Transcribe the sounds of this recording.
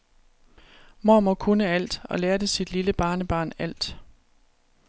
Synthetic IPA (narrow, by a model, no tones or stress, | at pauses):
moːmɒ̽kʰunəæl̰d̥ɒ̽leːɐdəsid̥liləb̥ɑ̈ːnəb̥ɑ̈ːnæl̰d̥